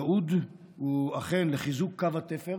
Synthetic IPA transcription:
ud̪ | uaχenleχizukʰːavat̪efeʁ

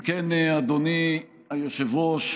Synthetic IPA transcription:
kɛnad̪oni | ajoʃevoʃ

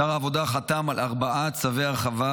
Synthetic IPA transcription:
aʁaːvo̞d̪aχat̪amalaʁbaʔat͡saveaʁχava

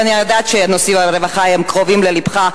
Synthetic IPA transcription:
aniajod̪at̪ʃenosimaɾevaχahemkʁovimlelibχa

